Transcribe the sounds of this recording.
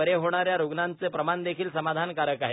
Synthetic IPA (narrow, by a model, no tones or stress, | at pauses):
əɾeɦoɳ̃aɾjaɾuɡnant͡sepɾəmand̪ekʰiːlsəmad̪ʱankaɾəkaɦe